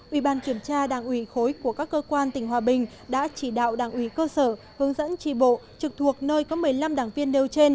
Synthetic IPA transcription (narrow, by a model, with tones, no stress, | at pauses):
ʔwi˧˩ɓaː˧˩nki˧˩əmt͡ɕaː˧ɗaː˧˩ŋʔwi˧˩xo˨˦jku˧˩əkaː˦˥kːəː˧kwaː˧nt̪ï˧˩ŋ̟hwaː˨˩ɓï˨˩ŋ̟ | ɗa̰ː˧˥t͡ɕi˧˩ɗa̰ː˧˨wɗaː˧˩ŋʔwi˧˩kəː˧səː˧˩ | hɨ˨˦əŋzə̰˧˥nt͡ɕi˧˩ɓo̰˧˨t͡ɕɨ˨˩k̚t̪ʰu˨˩ək̚nəː˧jkɔ˨˦mɨ˨˩əjla˧mɗaː˨˩ŋvi˧ənːe˧wt͡ɕe˧n